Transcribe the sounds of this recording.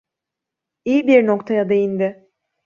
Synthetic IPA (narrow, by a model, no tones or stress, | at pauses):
ijibiɾnokt̪ʰajad̪e̞jind̪ɪ